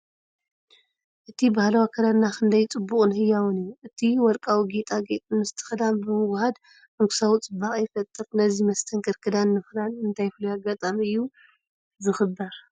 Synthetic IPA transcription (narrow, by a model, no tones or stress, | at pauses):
ʔɨt̪ʰibahlawakʰɐd̪anakʰɨnd̪ɐjt͡sʼɨbːuχʼɨnhɨjːawɔnɨjːuʔɨt̪ʰiwɔɾkʼawiɡet̪ʼaɡet̪ʼɨnmɨst̪ʰɨ̥xɨd̪ambɨmɨwhad̪ | mɨŋɡʰɨ̥sawit͡sʼɨbːaχʼjfɐt̪ʼːɨɾnɐzimɐst̪ʰɐŋkʰɨɾkʰɨd̪anːɨxlanɨnt̪ʰajflujaɡat̪ʼamiɨjːu | zɨxɨbɐɾ